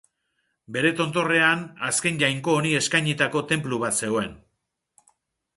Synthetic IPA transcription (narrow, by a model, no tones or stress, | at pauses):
be̞ɾe̞t̪o̞nt̪o̞re̞anaske̞nʝajŋko̞ːnie̞skajɲit̪ako̞t̪e̞mpluβ̞at̪se̞o̞e̞n